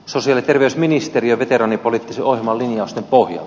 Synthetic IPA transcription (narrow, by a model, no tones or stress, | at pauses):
sosiɑlit̪erʋeysminist̪eriøʋet̪eɾɑnipolit̪ːiseʔohjemɑlːinjɑust̪empohjɑ̰